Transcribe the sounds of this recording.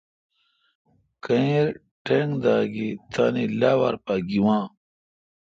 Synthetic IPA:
kɐiɾ | ʈeŋd̪aːɡit̪ʰaːnilaːwaɾpaɡiwãː

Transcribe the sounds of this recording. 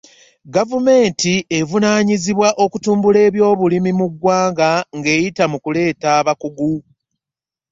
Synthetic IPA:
ɡavume̞ːntie̞vunaːɲiziβwaʔo̞kutuːmbule̞ːβjo̞ːβulimimuɡwaːŋɡaŋɡe̞ːjitamukule̞ːtaːβakuɡu

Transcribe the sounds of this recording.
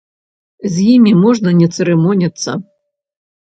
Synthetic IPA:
zʲjimʲimɔʐnɐnʲɛt̪sɛɾɛmɔnʲɐt̪sːɐ̰

